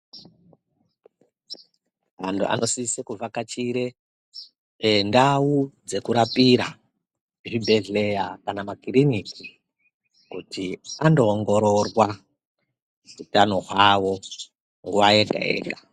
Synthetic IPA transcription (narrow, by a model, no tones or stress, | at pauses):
antʰuʔa̰nosisekuvakat͡ʃiɾe | ndaud͡ze̞kuɾapiɾa | ʐibʱe̞ɮejakanamakiriniki | kutiandoːŋɡo̞ɾorwa | ʐutano̞ɦwawo | ŋɡuʋaeɡʱa̰ḛːɡʱḁ